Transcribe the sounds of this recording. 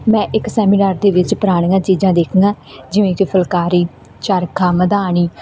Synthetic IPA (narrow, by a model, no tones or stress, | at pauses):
mɛ̃ːʔɪksɛːminaːɾd̪eːʋɪt͡ʃpəɾaːɽ̃ãːt͡ʃiːd͡ʒãːd̪eːkʰəŋɡaːd͡ʒɪʋẽːkipʰəlkaːɾiː | t͡ʃaːɾkʰaːməd̪aːɽ̃iː